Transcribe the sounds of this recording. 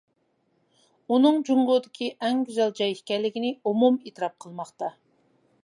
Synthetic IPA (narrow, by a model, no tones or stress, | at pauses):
unɨŋd͡ʒuɴʁʊd̪ɪkʲʰiʔɛŋɡʲyzɛlˠd͡ʒɑjiʃkʲɛɾlɪkʲinɪumumet̪ɨɾɑp̚qʰəlˠmɑχt̪ɑ